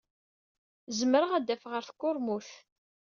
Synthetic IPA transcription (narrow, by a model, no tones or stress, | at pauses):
zəmɾəʁæd̪ːæfʁəɾθkːʊɾˤmuθ